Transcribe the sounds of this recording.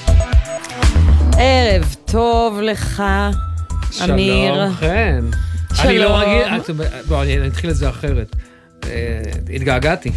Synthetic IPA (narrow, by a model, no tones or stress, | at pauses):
ʔeʁevt̪ʰovleχa | ʃaamiʁenʃanilomaɡianitoboanniat̪χiletzeaχeʁet̪ | ḛit̪ɡaɡat̪i